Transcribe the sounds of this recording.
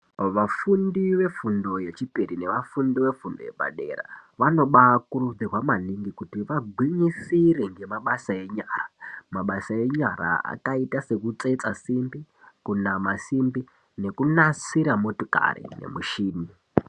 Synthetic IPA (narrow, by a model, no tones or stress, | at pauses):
ʋafundiʋe̞fundo̞je̞t͡ʃipiɾine̞ʋafundiʋe̞fundo̞̰jḛba̰ɗe̞̰ɾa̰ʋano̞ɓakurud͡zirwamaniŋɡikutiʋaɡʱwiɲisiɾeŋɡe̞maɓasae̞ɲaːramaɓasae̞ɲaɾa̰a̰kaitase̞kut͡se̞t͡sasimbi | kunamasimbi | ne̞kunasiɾamo̞toka̰ɾḭne̞̰muʃiːni